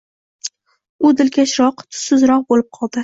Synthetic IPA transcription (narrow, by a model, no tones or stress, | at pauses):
ʊd̪ɪlkʲʰaʃɾɒqt̪ʰʊ̥sɪzɾɒq̚bolɪp̚qʰɒlˠd̪ɪ